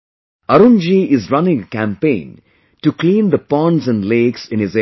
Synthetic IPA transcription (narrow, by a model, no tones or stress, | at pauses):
ʌɾũnd͡ʒiɪzɾʌnɪ̃ŋəkæ̃mpẽɪ̃n | ʈuklĩːnd̪əpɔ̃ɳɖzæ̃nɖleːksɪ̃nɪze